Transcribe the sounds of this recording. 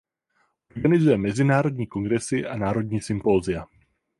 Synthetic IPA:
ʔo̞ɾɡanɪzujɛmɛzɪnaːɾo̞dɲiːko̞ŋɡɾɛsɪʔanaːɾo̞dɲiːsɪmpo̞ːzɪa

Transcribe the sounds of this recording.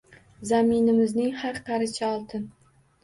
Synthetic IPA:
zamɪnɪmɪznɪŋhaɾqɑɾɪt͡ʃʰaɒlˠt̪ʰɪn

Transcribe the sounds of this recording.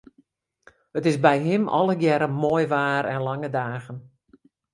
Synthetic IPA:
ətɪsbɛjɦɪmɔ̰lˠəɡjɛɾəmoːjʋaːɾɛnlaŋədaːɣən

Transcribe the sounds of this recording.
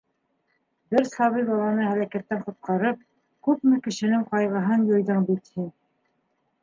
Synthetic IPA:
bɘɾsɑβɤjbɑlˠɑnɤhælækæt̪ːæɴqŏt̪̚qɑɾɤp̚ | kʉpmɘkɘ̆ʃɘ̆nɘŋqɑjʁɤ̆ɦɤnjŏjðɤɴbit̪hin

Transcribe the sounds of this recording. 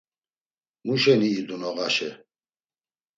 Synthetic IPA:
muʃɛniːd̪unɔɣaʃɛ

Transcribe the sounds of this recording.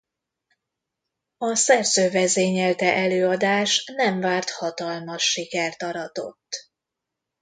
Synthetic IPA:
ɒsɛrzøːvɛzeːɲɛlt̪ɛʔɛløːɒd̪aːʃnɛɱvaːrt̪hɒt̪ɒlmɒʃːikɛrt̪ɒɾɒt̪o̞̰t̪ː

